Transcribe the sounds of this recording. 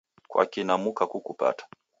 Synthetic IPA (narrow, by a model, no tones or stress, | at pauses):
kwa̰kinamukakukupa̰tḁ